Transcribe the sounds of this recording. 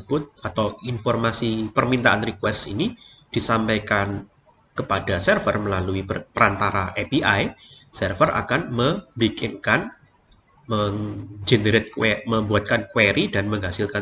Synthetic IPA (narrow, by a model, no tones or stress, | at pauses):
əb̥ʊt̪̚at̪awinfɔrmasipərmint̪aʔanrikwɛstḭni | d̥isampajkan | kəpadasɛrfə̰rməlaluipəɾant̪aɾaʔepiʔajsɛrfərʔa̰kanməbikɪnkan | məŋd͡ʒeneɾɪt̪̚keməmbuat̪̚kankweɾidanməŋɦasɪlka